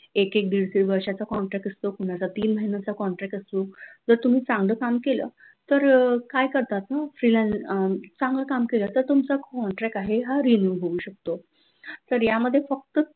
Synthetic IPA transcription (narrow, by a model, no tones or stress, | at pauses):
ekek̚d̪iɭsiɾʋəɾɕat͡sakɔɳʈɾɛk̚ʈəst̪okuɽ̃at͡sat̪iːnməɦinat͡sakɔɳʈɾɛk̚ʈəst̪od͡zəɾt̪um̤iːt͡sãŋɡləkamkelə̰ː | t̪əɾkajkəɾt̪at̪nafɾilãnt͡sãŋɡləkamkelət̪əɾt̪umt͡sakɔɳʈɾɛk̚ʈaɦeɦaɾinjuɦoʋuːɕək̚t̪o | t̪əɾjaməd̪ʱːjefək̚t̪ə